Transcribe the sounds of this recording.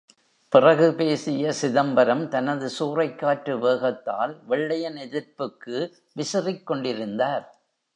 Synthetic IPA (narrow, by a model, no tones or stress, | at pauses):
pɪrɐɣɯpeːsɪjɐsɪðɐmbɐɾɐmt̪ɐnɐðɯsuːrɐɪkːaːʈɾɯʋeːɣɐt̪ːa̰ːlʋɛɭːɐjɐnɛðɪɾpɯkːɯ | ʋɪsɐrɪkːɔɳɖɪɾɯnd̪aːɾ